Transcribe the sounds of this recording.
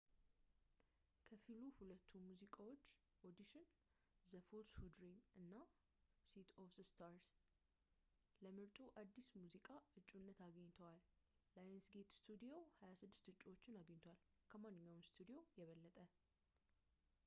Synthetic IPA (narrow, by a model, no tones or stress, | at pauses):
kʰəfiluhulət̪ʰːumuzikʼawo̞t͡ʃː | ʔod̪iʃɪn | zəfolshud̪ɾimʔɨnːa | sit̪ʰofðəst̪ʰaɾs | ləmɨɾt̪ʼuʔad̪ːismuzikʼaɨt͡ʃʼːunːət̪aɡəɲːt̪ʰəwalːajənsɡe̞t̪st̪ʰud̪ijo̞hajasɨd̪ːɨ̥st̪ɨt͡ʃʼːiwo̞t͡ʃʼːɪnaɡəɲːt̪ʰwalkʰəmanːɨɲːawmst̪ʰud̪ijo̞jɛβəlːət̪ʼə